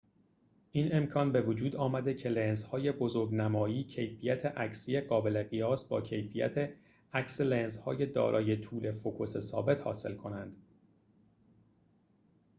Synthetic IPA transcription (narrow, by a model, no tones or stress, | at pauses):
ʔiːne̞mkʰɒnbe̞vod͡ʒuːd̪ɒːmæd̪ecʰe̞lenzhɒːje̞bozoɾɡnæmɒːiːcʰe̞jfijæt̪ʰeʔæcsije̞ɢɒːbele̞ɣijɒːsbɒ̰ːcʰe̞jfijæ̰t̪ʰe | æcselenzhɒ̰ːje̞d̪ɒ̰ːɾʔɒ̰ːje̞t̪ʰuːle̞fokʰose̞sɒ̰ːbe̞t̪hɒ̰ːse̞̰lkʰo̞nænd̪̥